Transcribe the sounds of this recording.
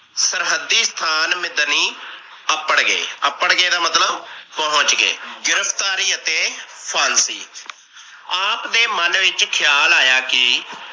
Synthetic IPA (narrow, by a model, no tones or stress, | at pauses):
səɾɦəd̪ːiːst̪ʰaːnmɪd̪niː | əpːəɽɡḛːəpəɳɡeːd̪aːmət̪ləbpəɦʊ̃t͡ʃɡḛːɡɪɾəpʰt̪aːɾiːət̪eːpʰaːnsiː | aːpd̪eːmənʋɪt͡ʃkʰɪjaːlaːjaːkɪ